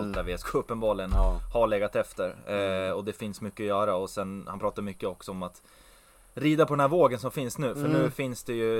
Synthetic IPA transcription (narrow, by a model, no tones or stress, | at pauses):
lt̪̚d̪æɾvɪskɔɵpːənbɑːɭɪɡənhaɭeːɡat̪ɛft̪əɾɔd̪ɛfɪnsmʏkːəʊjœːɾaɔsɛnhanpʰɾɑːt̪aɾmʏkːəɔksɔɔmat̪ | ɾiːd̪apʰɔd̪ɛnɦæɾvoːɡənsɔmfɪnsnʉ̟ːfœɳʉ̟ːfɪnsd̪ɛjɵ